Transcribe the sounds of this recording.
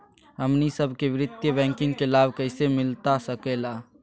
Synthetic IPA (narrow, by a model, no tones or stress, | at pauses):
ɦəmnisəbʱkeʋɪɾɪt̪jəbɛ̃ːŋkɪ̃ŋɡkelaːbkəɪsemɪlt̪asəkelaː